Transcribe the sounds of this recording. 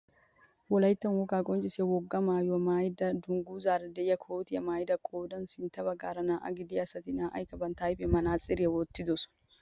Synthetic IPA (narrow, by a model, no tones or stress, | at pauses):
wɔlɐjt̪ːɐnwɔkʼaːkʼɔnt͡ʃʼɪsɛwɔɡːɐmaːjɔmaːjd̪ɐd̪ʊŋɡuːzaːɾd̪ɛjɐkʰoːt̪ɪjɐmaːjɪd̪ɐkʰʼoːd̪ɐnsɪnt̪ːɐbɐɡaːɾɐnaːʔa̰ɡɪd̪ɪɐsɐt̪ɪnaːʔɐ̰jkɐbɐnt̪aːjbɛmɐnaːt͡sʼɪɾɪɛwɔt̪ːɪd̪ɔsʊ̥